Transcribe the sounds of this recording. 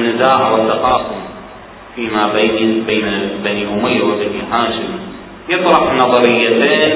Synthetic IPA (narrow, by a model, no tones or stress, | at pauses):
nːɪzaːʕɪwɪt̪ːaqɑːfʊm | fiːmabaːnbeːnabaniʔʊmajwɪbaniːɦaːʃɪma | jɨt̪ˤɾɑħnɑðˤɑɾɪjːat̪eːn